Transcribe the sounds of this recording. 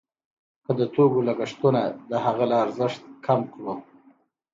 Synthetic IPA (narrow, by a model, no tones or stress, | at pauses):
kəd̪ət̪oɡolaɡaʂt̪unad̪əɦaɣalaːɾzəʂt̪̚kʰamkɽo